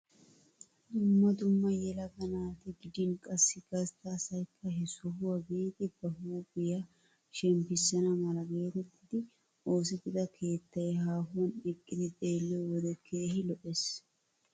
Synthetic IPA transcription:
d̪ʊmːɐd̪ʊmːɐjɛlɐɡɐnaːt̪ɪɡɪd̪ɪnkʼɐsːɪɡɐst̪asɐjkʰːɐɦɛsɔɦʊwɐbiːd̪ɪb̥ɐhʊwɐɡʊja | ʃɛmpɪsːɐnɐmɐlɐɡeːɾɔt̪ːɪd̪ɪ | o̞ːs̬ɪɡ̪ɪd̪ɐkʰe̞ːt̪ːɐjɛɦaːɦʊwɐnɪkʼːɪd̪ɪt̪ʼe̞ːlːɪɔwɔd̪ɛkʰːeːhɪlɔʔes

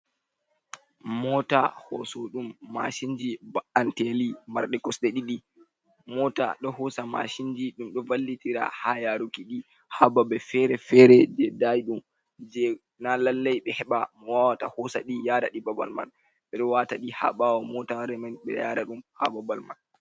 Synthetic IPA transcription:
mɔta̰hɔ̰sɔɗumːa̰ʃind͡ʒibaantɛlima̰ɾɗɛkɔsɗɛɗiɗi | mɔta̰ɗɔhɔsama̰ʃind͡ʒiɗumɗɔvalːitiɾa̰hajaɾukiɗi | hababɛfɛɾɛfɛɾɛd͡ʒɛdajiɗum | d͡ʒɛ | nalalːajɓɛhɛɓamɔwawata̰hɔsa̰ɗijaːda̰ɗibaba̰lma̰n | ɓɛɗɔwataɗiha̰ɓawɔmɔtaɾɛmanɓɛ̰jaɾaɗumha̰babalma̰n

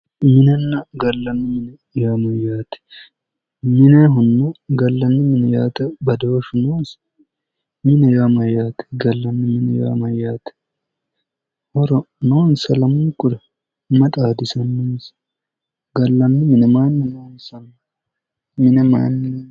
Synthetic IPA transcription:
mɪnɐnːɐɡɐlːɐnːʊmɪnɛ | jamɐjːaːt̪ɛ̥ | mɪnɛɦʊnːɐɡɐlːɐnːɪmɪnɛjaːt̪ɐbɐd̪oːʃʊnoːnsɐ̥ | mɪnɛjaːmɐjaːt̪ɛ̥ɡɐlːɐnːɪmɪnɛja̰ːmɐjaːt̪ɛ̥ | hɔɾɔ | noːnsɐlɐmukʼʊɾɐ | mɐt̪ʼaːd̪ɪsɐnːoːns | ɡɐlːɐnːʊmɪnɛmaːnːɪnoːnsɐn | mɪnɛma̰ːnː

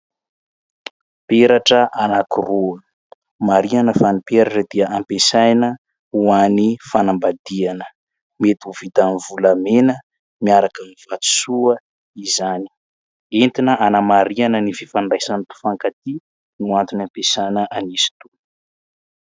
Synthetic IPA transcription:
peɾaʈ͡ʂəʔanakuruə | maɾianəfanipeɾaʈ͡ʂəd̪̥iəʔampesajnə | uanifanambad̪ianə̥ | met̪uvit̪anivulamenə | miaɾakamiv̥at̪u̥suə | izani̥ | ent̪inəʔanamaɾianənififaɳɖ͡ʐajsant̪u̥faŋkat̪i | nuant̪unampesajnəʔanisi̥t̪u

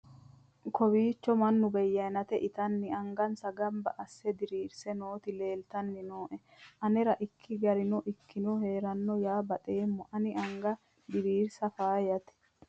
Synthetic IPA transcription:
kɔbiːt͡ʃːɔmɐnːʊbɛjːɐnɐt̪ɛʔɪt̪ɐnːɪɐŋɡɐnsɐɡɐmbɐʔɐsːɛd̪ɪɾiːɾsɛnoːt̪ɪle̞ːlt̪ɐnːɪnoːʔɛ | ʔɐnɛɾɐʔɪkʰːɪɡɐɾɪnɔʔɪkʰːɪnɔhe̞ːɾɐnːɔjaːbɐt̪ʼeːmːɔʔɐnɪʔɐŋɡɐ | d̪ɪɾiːɾsɐfaːjɐt̪ɛ̥

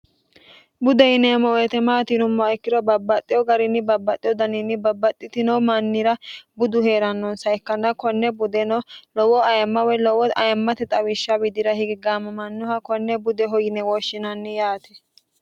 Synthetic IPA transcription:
bʊd̪ɛjɪnɛmɔwɛt̪ɛmaːt̪ɪnʊmːɔɐjɪkːɪd̪ɔbɐbːɐt̪ʼːɪjɔɡɐɾɪnːɪbɐbːɐt̪ʼːɪjɔd̪ɐnɪnːɪbɐbːɐt̪ʼːɪt̪ɪnɔmɐnːɪɾɐbʊd̪ʊhe̞ːɾɐnːɔnsɐjɪkːɐnːɐkɔnːɛbʊd̪ɛnɔlɔwɔɐjɐmːɐwɛlɔwɔɐjɐmːɐt̪ɛt̪ʼɐwɪʃːɐbɪd̪ɪɾɐhɪɡɪɡaːmɐmɐnːʊhɐkɔnːɛbʊd̪ɛɦɔjɪnɛwɔʃːɪnɐnːɪjaːt̪ɛ

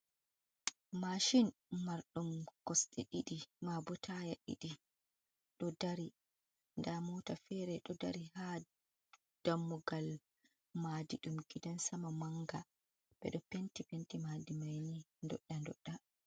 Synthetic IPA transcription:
maʃinːaɾɗumkɔsɗɛɗiɗimabɔtʰajaɗḭɗi | ɗɔdaɾi | ndamɔːtafɛɾɛɗɔda̰ɾiha | d̥amːuɡal | madiɗumɡidansamamaŋɡa | ɓ̥ɛ̰ɗɔpentipentimadimajnindɔ̰ɗːandɔ̰ɗːa

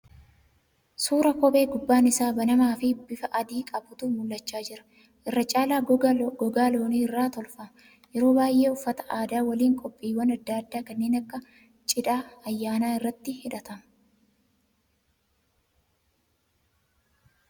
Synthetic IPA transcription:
suːɾɐkɔbe̞ːɡʊbːaːnɪsaːbɐnɐmaːfɪbɪfɐʔɐd̪iːkʼɐbʊt̪ʊmʊlːɐt͡ʃːaːd͡ʒɪɾɐ̥ | ʔɪrːɐt͡ʃʼaːlaːɡɔɡaːloːniːɪrːaːt̪ɔlfɐm | jɛɾoːbaːjʔe̞ːʊfːɐt̪ɐ̥ʔaːd̪aːwɐliːŋkʼɔpʼːiːwɐnɐd̪ːaːɐd̪ːaːkɐnːeːnɐkːɐ | t͡ʃʼɪᶑ̪aːɐjːaːnaːɪrːɐt̪ːɪhɪᶑɐt̪ɐmɐ

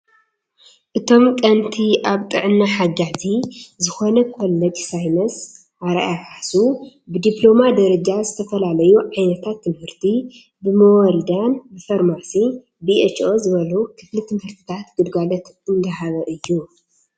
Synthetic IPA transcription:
ʔɨt̪ʰo̞mkʼɐnt̪ʰiʔaβt̪ʼɨ̰ʕɨnːaħaɡazizɨxo̞nɐkolːɐt̪ʼsajmɐs | ʔaɾa̰jaħaħsu | bɨd̪iplo̞mad̪ɐɾɐd͡ʒazɨt̪ʰɐfɐlalɐjuʕajnɐt̪ʰat̪ʰːɨmhɨɾt̪ʰi | bɨmɐwɔld̪anbɨfɐɾmasi | biet͡ʃo̞zɨβɐlukʰɨflit̪ʰɨmhɨɾt̪ʰi̥t̪ʰat̪ɡɨd̪ɡalɐt̪ | ɨnɡ̪ɐɦaβɐʔɨjːu

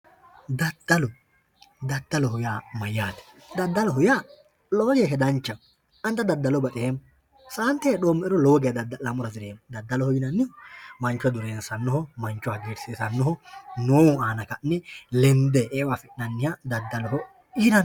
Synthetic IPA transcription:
d̪ɐd̪̥ːɐlɔ | d̪ɐd̪ːɐlɔɦʊjaːmɐjːaːt̪ɛ̥ | d̪ɐd̪ːɐlɔɦʊjaː | loːlɛɦɛd̪ɐnt͡ʃːɐ | ɐnt̪ːɐd̪ɐd̪ːɐlɔbɐt̪ʼɪheːm | saːnt̪ɛɐᶑoːmːɛʔɛɾɔlɔwɔɡeɐd̪ɐd̪ɐlɐmʊɾɐzɪɾeːmd̪ɐd̪ːɐlɔhɔjɪnɐnːɪɔmɐnt͡ʃːɔd̪ʊɾeːnsɐnːɔɦɔmɐnt͡ʃːɔhɐɡeːɾseːsɐnːɔɦɔnoːwʊaːnɐkɐnːɛlɛnd̪ɛʔeːwafɪʔnɐnːɪjad̪ɐd̪ːɐlɔɦɔ | ɪnɐn

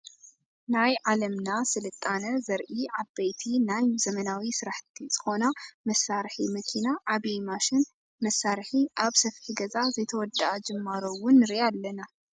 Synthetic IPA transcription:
najʕalɐmnasɨlɨt̪ʼːanɐzɐɾʔiʕabːejt̪ʰinajzɐmɐnawisɨɾaħt̪ʰit͡sʼɨxo̞namɐsːaɾħimɐkʰinaʕaβimaʃɪn | mɐsːaɾħiʔaβsɐfħiɡɐzazɨt̪ʰɐwɔd̪aʔɐd͡ʒɨmːaɾowʊnːɨɾialːɐna

